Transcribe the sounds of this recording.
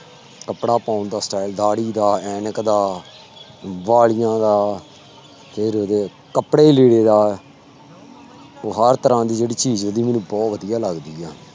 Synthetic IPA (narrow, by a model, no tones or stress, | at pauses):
kəpɽaːpãːʊnd̪aːsʈaːɪld̪aːɽiːd̪aːɛːnəkd̪aː | ʋaːɭɪjãːd̪aː | pʰɪɾod̪eː | kəpɽeːleːɽeːd̪aː | oːɦəɾt̪əɾãːd̪iːd͡ʒeːɽiːt͡ʃiːzʋəd̪iːmɛːnũːbɔːt̪ʋəd̪ɪjaːləɡd̪iːaː